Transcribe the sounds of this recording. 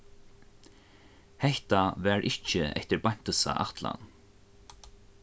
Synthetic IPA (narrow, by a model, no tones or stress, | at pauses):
hɛht̪avɛːɹʔɪht͡ʃɪɛ̰ht̪ɪɾbaɲ̥t̪əsa̰ʔaht̪la̰n